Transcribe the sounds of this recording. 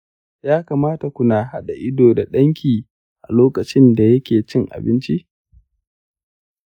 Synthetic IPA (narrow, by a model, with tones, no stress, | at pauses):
jaː˦kaː˨maː˦ta˨kʷʊ˨naː˨ha˦ɗa˨ʔɪ˦doː˨da˨ɗɐ˦ŋkʲiː˨ | ʔa˨loː˦kɐ˨t͡ʃɪ˦nda˨jɐ˦kʲeː˨t͡ʃɪ˦ŋʔa̰˨bɪ˦nt͡ʃi˦ʔ